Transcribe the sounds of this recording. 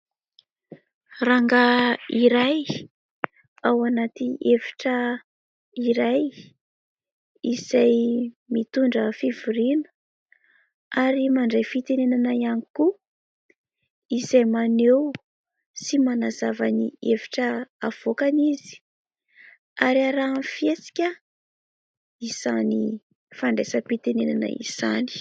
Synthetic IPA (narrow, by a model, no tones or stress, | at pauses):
raŋɡaiɾaj | awanat̪iefi̥ʈ͡ʂə | iɾaj | izaj | mit̪uɳɖ͡ʐəfivuɾinə̥ | aɾimaɳɖ͡ʐejfit̪enenanaianiku | izajmanew | simanazava̰nḭevi̥ʈ͡ʂəav̥okanizi̥ | aɾiaɾaːmfiet͡si̥kʲə | iz̥ani | faɳɖ͡ʐesəpit̪enenanə̰ḭz̥ani̥